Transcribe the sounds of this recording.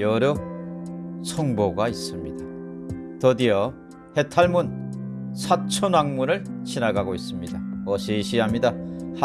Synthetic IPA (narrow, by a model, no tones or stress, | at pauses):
jʌɾʌ | sʰʌŋboɡais͈ɯmɲid̥atʌdijʌ | he̞tʰaɭmunsʰat͡ɕʰonaŋmunɯɭɕʰinaɡaɡois͈ɯmɲidaʌɕʰeɕʰiɦamɲidah